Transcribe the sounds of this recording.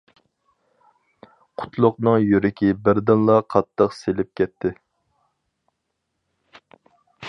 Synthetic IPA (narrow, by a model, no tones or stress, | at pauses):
qʰʊ̥t̪ʰlˠʊqnɨŋjyɾɪkʲibɪɾd̪ɪnlˠɑqʰɑt̪ʰːəqselɪp̚kʲʰɛt̪ʰːɪ